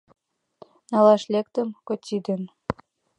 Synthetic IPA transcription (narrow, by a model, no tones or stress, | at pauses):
nɑlɑʃlʲek̚t̪ə̆mkot̪ʲid̪ə̆n